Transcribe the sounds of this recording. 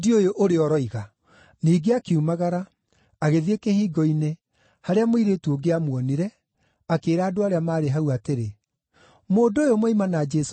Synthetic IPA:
diojoʔoɾeɔɾɔiɣa | niːɡeakeumaɣaɾaː | ɣeðekehiːɡɔine | haɾeamoiɾetuoɡeamwɔniɾɛ | akeːɾaːdoaɾeamaːɾeɦauateɾe | moːdoːjomoimanad͡ʒɛs

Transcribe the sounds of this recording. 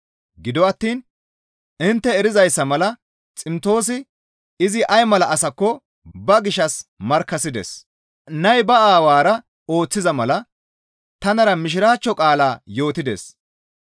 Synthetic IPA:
ɡɪd̪ɔɐt̪ːiːn | ɪnt̪ːɛɛɾɪzɐjsːɐmɐlɐ | t͡sʼɪmt̪o̞ːs̬ɪ | ɪzɪʔɐjmɐlɐʔɐsɐkːɔ | bɐɡɪʃɐsmɐɾkːɐsɪd̪ɛ̰s | nɐjbɐaːwaːɾɐ | o̞ːt͡sːɪzɐmɐlɐ | t̪ɐnɐɾɐmɪʃ̬ɪɾaːt͡ʃːɔkʼaːlaːjo̞ːt̪ɪd̪ḛs

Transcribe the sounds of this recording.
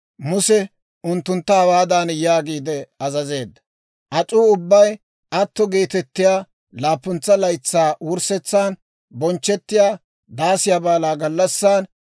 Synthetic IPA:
mʊsɛ | ʊnt̪ːʊnt̪ːɐhɐwaːd̪aːnjaːɡiːd̪ɛɐzɐze̞ːd̪ːɐ̥ | ʔɐt͡sʼuːʊbːɐj | ʔɐt̪ːɔɡe̞ːt̪ɛt̪ːɪjaː | laːpːʊnt͡sːɐlɐjt͡sːaːwʊɾsɛt͡sːaːn | bɔnt͡ʃːɛt̪ːɪjaː | d̪aːsɪjabaːlaːɡɐlːɐsːaːn

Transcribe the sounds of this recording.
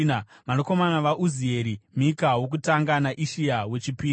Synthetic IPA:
namanoko̞manaʋaʔuzie̞ɾimikawo̞k̬utaŋɡanaʔiʃiawe̞t͡ʃipiː

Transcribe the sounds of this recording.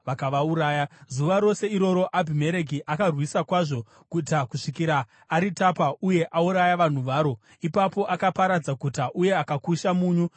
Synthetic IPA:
ʋakaʋauɾaːjazuʋaɾo̞se̞iɾo̞ɾo̞ʔabʱime̞ɾeɡiʔakarwisakwaʐo̞ | kutakuʂikiɾaː | ɾitapauje̞ʔauɾajaʋan̤uʋaːɾo̞ | ipapo̞ʔakapaɾad͡zakutaʔuje̞akakuʃamuːɲu

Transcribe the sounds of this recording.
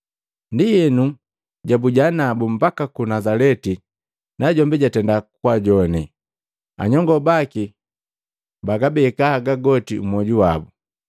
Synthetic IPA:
ndijɛnu | ɟabuɟanabumbakakunazalɛti | naɟɔmbiɟatɛndakwaɟɔni | a̰ɲɔŋɡɔbaki | baɡabɛkahaɡaɡɔtiumɔɟuwabu

